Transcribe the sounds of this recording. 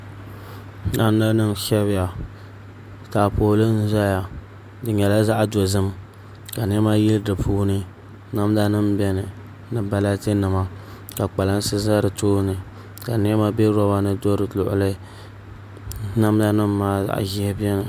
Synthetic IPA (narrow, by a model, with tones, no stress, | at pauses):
na˦mː˦a˦nɨ˦mʃɛ˦βɪ˦ja˨ | taː˨poː˨lɨ˦n̩˦za˦ja˨ | dɨ˨ɲɛ˨la˦za˦ʔdo˨zɨ˦m | ka˨n˦ɛ˦ma˦jɪ˦lɨ˦dɨ˨pʰuː˦nɨ˦ | na˦m˦da˦nɨ˦mbɛ˦nɨ˨ | nɨ˨ba˦la˦tɨ˦nɨ˨ma˦ | ka˨k͡pa˨la˦n˦sɨ˦za˦ɾɨ˨toː˦nɨ˨ | ka˨n˦ɛ˦ma˦bɛ˦ɾɔ˦ba˦nɨ˦do˦ɾɨ˨lʊ̰˨ʔʊ̰˨lɨ˦ | na˦mda˦nɨ˦mːaː˦za̰˦ʔʒɪ˦hɪ˦bɛ˦nɨ˨